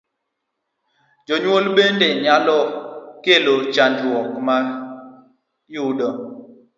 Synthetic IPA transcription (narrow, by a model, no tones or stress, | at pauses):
d͡ʒoɲwolɓendeɲalɔkelot͡ʃand͡ʒɔkma | juɗɔŋ